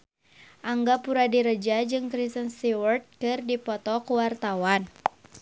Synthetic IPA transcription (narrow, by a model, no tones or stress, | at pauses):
ʔaŋɡapuɾadiɾəd͡ʒad͡ʒɨŋkɾisənst̪iwərt̪̚kɨrdipɔt̪ɔkuwart̪awan